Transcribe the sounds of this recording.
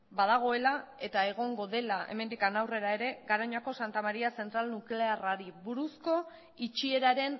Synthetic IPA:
bað̞aɣ̞o̞e̞lae̞t̪aeɣ̞o̞ŋɡo̞ðe̞laʔe̞̰me̞nd̪ikanawre̞ɾae̞ɾe̞ɡaɾaɲako̞sant̪amaɾiase̞nt̪ɾalnukle̞araɾiβuɾusko̞ | it͡ʃie̞ɾaɾe̞n

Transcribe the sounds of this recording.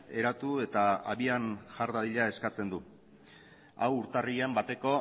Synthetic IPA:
e̞ɾat̪ue̞t̪aaβianʝaɾðaðiʎae̞skat͡se̞nd̪u | a̰wuɾt̪ariambat̪e̞ko̞

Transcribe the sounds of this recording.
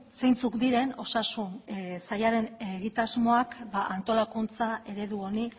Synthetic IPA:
se̞jnt͡sukd̪iɾe̞no̞sasunsajaɾe̞neɣit̪azmo̞akbaʔant̪o̞lakunt͡saʔe̞ɾe̞ðuo̞ni

